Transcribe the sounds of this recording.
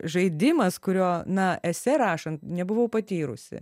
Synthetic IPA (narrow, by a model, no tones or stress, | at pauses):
ʒɐɪd̪ʲɪmɐskʊɾʲoːnɐɛsʲɛɾɑːʃɐnt̪nʲɛbʊʋɐʊpɐt̪ʲiːɾʊ̰sʲɪ̰